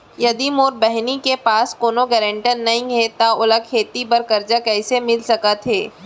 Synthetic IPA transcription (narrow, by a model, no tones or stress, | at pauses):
jɐd̪imoːɾbɛɦnikepaːskoːnoɡɛːɾɛ̃ɳʈənnɐɦĩɦɛt̪aʊlək̚kʰeːt̪ibɐɾkɐɾd͡ʒakɛːsemɪlsɐkat̪ʰɦeː